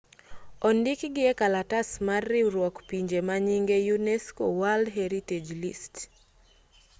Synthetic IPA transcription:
ɔndikɡɪɛkalatasmarːiuɾwɔkpiɲd͡ʒemaɲiŋɡejunɛskowaldɦɛɾited͡ʒlḭst

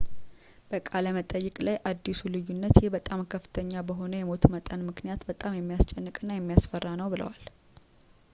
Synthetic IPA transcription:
b̥əkʼaləmət̪ʼəjːɨkʼlajʔad̪ːisulɨjːunːət̪jɛhbət̪ʼamkʰəfːɨ̥t̪ʰəɲːabəɦo̞nəjɛmo̞t̪mət̪ʼənmɨknijat̪bət̪ʼamjɛmːijast͡ʃʼɛnːɨkʼɨnːajɛmːijasfərːanəwbɨlə̰wal

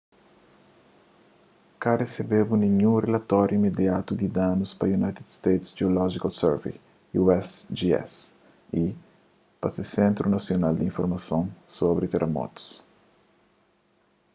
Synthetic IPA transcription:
karesebebunĩɲũrelat̪ɔɾjuimed̪jat̪ud̪id̪anuspɐjunajt̪ed̪st̪ejt̪sd͡ʒeolɔʒikalsɛɾvḛ | juɛsd͡ʒiɛ̰s | i | pasesẽnt̪ɾunɐsjonald̪iĩnfoɾmɐsõnsobɾit̪eɾʔemɔ̰t̪u̥s

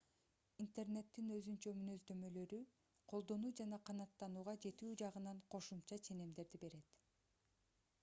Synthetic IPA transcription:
int̪e̞rne̞t̪ːinø̞zynt͡ʃø̞mynø̞zd̪ø̞mø̞lø̞ɾy | qʰo̞lˠd̪o̞nuːd͡ʒɑnɑqʰɑnɑt̪ːɑnuːʁɑd͡ʒe̞t̪yːd͡ʒɑʁɯnɑɴqʰo̞ʃumt͡ʃɑt͡ʃʰe̞ne̞md̪e̞ɾd̪ibe̞ɾe̞t̪

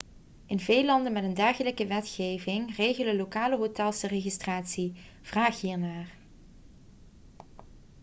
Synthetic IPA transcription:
ʔɪnvejlɑndənmɛtəndɛɹχələkəʋɛtxeːjvɪŋreːjɣələlokaːləɦotɛlˠsəreɣistraːtsi | v̥raːxɦiːɹnaːr

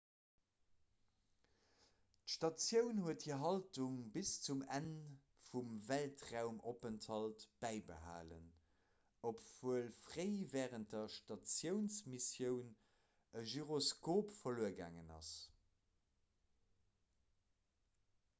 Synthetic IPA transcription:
tʃtɑt͡sjəʊnhuəthiɐɦɑltuŋbist͡sumæn | fumvæltʁaʊmopəntʰhɑltb̥æɪbə̰ɦa̰ːlə̰n | opv̥uəlfʁeɪvɛːʁənt̚dɐʃtɑt͡sjəʊnsmisjəʊn | əʒyʁoskoːpfɐluːəɡa̰ːŋənɑ̰s

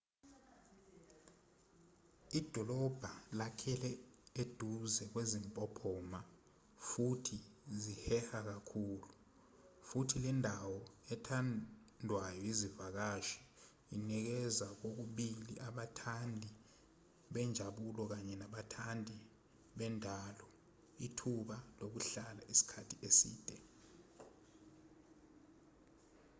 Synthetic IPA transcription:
id̥ʱɔlɔb̥ʱalakʰɛlɛed̥ʱuzɛk̬wezimpʼɔpʰɔːma | futʰizihɛhak̬akʰuːlu | futʰilɛndʱawɔɛtʰanndʱwajɔizivak̬aʃi̥ | inɛk̬ɛzak̬ok̬uɓilḭʔaɓatʰandʱi | ɓɛnd͡ʒʱaɓulɔk̬aɲɛnaɓatʰandʱi | ɓɛndʱaːlɔ | itʰuɓalok̬uɬalaʔisi̥kʰatʰiʔesḭːd̥ʼʱɛ

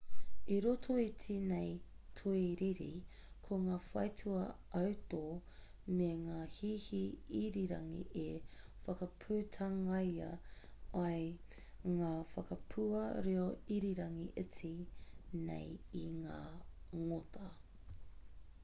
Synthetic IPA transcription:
iɾotʰoit͡sinej | tʰuiɾiɾḭ | kʰoŋaːfɐ̰jtʰuɐʔɐwtoː | meŋaːhiːhiiɾiɾɐŋḭʔefɐkɐpʰʉːtʰɐŋɐjɐ̰ | ɐj | ŋaːfɐkɐpʰuɐɾeoiɾiɾɐŋiʔɪt͡sinḛjiŋaːŋotʰɐ

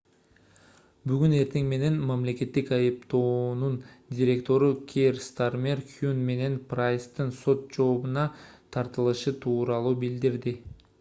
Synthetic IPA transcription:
byɡyne̞ɾt̪ʰe̞ŋme̞ne̞nmamle̞ke̞t̪ːikɑjɯpt̪o̞ːnundʲiɾʲe̞kt̪o̞ɾukʲʰerst̪armʲe̞rkjunme̞ne̞nprajst̪ɯnso̞t̪̚d͡ʒo̞ːbunɑt̪ʰɑɾt̪ɯlˠɯʃɯt̪ʰuːɾɑlˠuːbild̪iɾd̪ɪ

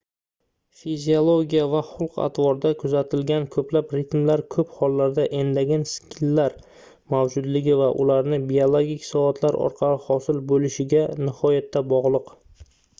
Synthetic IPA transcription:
fizʲiolˠoɡʲijavaχʊlˠqa̰t̪ʰvɒɾd̪akʰʊzat̪ʰɪlɡʲankʰɵplapɾɪt̪mlaɾkʰɵphɒlːaɾd̪aʔe̞nd̪aɡʲanskʲʰɪlːaɾ | mawd͡ʒʊd̪lɪɡʲɪvaʔʊ̰laɾnɪbiolˠoɡʲikʲsɒat̪ʰlaɾɒ̰ɾqʰɑlɪhɒsɪlbolɪʃɪɡʲanɪhɒjat̪ʰːabɒʁlˠɨq

